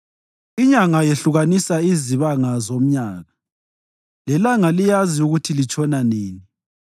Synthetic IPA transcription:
iɲaŋajeɬuɣanisaiziβaŋazom̩ɲaːɣa | lɛlaŋalijaziuɣutʰilit͡ʃʼɔnaneːni

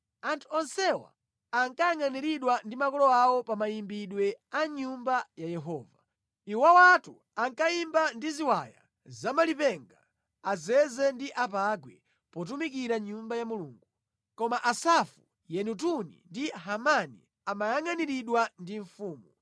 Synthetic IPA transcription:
antʰu̥ɔnsɛwa̰ː | ŋkajaŋaniɾiɗwandimakɔlɔawɔpamajimbiɗwɛaɲumbajajɛɦɔːva | iwawatu | aŋkaimbandiziwaja̰ | zamalipɛŋɡa | azɛzɛndiʔapaɡwɛ | pɔt̬umik̬iɾaɲumbajamuluːŋɡu | kɔmaʔasafu | jɛnut̬unḭndiɦamanḭ | amajaŋaniɾiɗwandiɱfuːmu

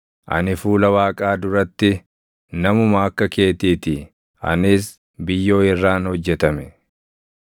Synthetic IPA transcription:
ʔɐ̰nɪfuːlɐwaːkʼaːd̪ʊɾɐt̪ːɪ | nɐmʊmaːkːɐke̞ːt̪iːt̪ɪ | ɐ̰nɪs | bɪjːo̞ːɪrːaːnhɔd͡ʒːɛt̪ɐmɛ

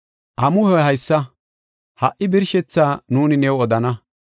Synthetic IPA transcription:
ʔɐmʊhɔɦɐjsːɐ | hɐʔːɪbɪɾʃɛt͡sːaːnuːnɪnɛwɔd̪ɐnɐ

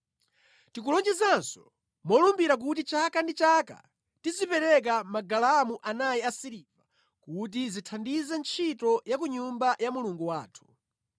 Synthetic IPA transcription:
tik̬ulɔnd͡ʒɛzansɔ̥ | mɔlumbiɾak̬ut̬it͡ʃakandit͡ʃaka̰ | tizipɛɾɛk̬amaɡalaamuʔanajɛasiɾiva | kut̬izitʰandizɛnt͡ʃʰitɔjak̬uɲumbajamuluŋɡuwaːtʰu̥

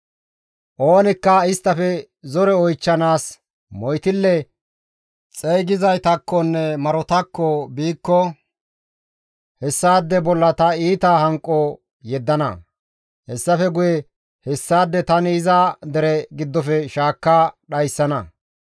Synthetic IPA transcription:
ʔoːnɪkːɐɪst̪ːɐfɛ | zɔɾɛɔjt͡ʃːɐnaːs | mɔjt̪ɪlːɛ | t͡sʼɛjɡɪzɐjt̪ɐkːɔnːɛmɐɾɔt̪ɐkːɔbiːkːɔ | hɛsːaːd̪ːɛbɔlːɐt̪ɐiːt̪ɐhɐŋkʼːɔ | jɛd̪ːɐnɐ̰ | hɛsːɐfɛɡʊjɛ | hɛsːaːd̪ːɛt̪ɐnɪːzad̪ɛɾɛɡɪd̪ːɔfɛʃaːkːaɗɐjsːɐnɐ̰

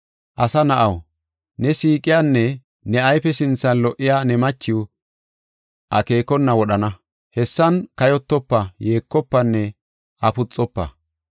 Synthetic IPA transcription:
ʔɐsɐnɐʔɐw | nɛsiːkʼɪjaːnːɛ | nɛɐjpɛsɪnt͡sːɐnlɔʔɪjaːnɛmɐt͡ʃːɪw | ʔɐke̞ːkɔnːɐwɔɗɐnɐ | hɛsːɐnkɐjɔt̪ːɔpːɐje̞ːkːɔpːɐnːɛ | ʔɐpʊt͡sʼːɔpːɐ̰

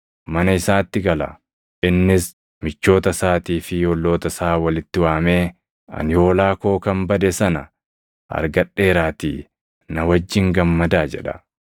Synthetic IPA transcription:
mɐnɐɪsaːt̪ːɪɡɐlɐ̰ | ʔɪnːɪs | mɪt͡ʃːo̞ːt̪ɐsaːt̪iːfɪhɔlːo̞ːt̪ɐsaːwɐlɪt̪ːɪwaːme̞ː | ɐ̰njo̞ːlaːko̞ːkɐmbɐd̪ɛsɐnɐ | ʔɐ̰ɾɡɐᶑe̞ːɾaːt̪ḭː | nɐwɐd͡ʒːɪŋɡɐmːɐd̪aːd͡ʒɛ̰ᶑɐ̥

